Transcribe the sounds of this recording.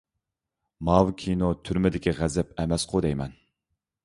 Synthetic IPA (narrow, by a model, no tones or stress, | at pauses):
mɑwkʲʰinot̪ʰyɾmɪd̪ɪkʲʰiʁæzɛpɛmɛsqʰod̪ɛjmɛn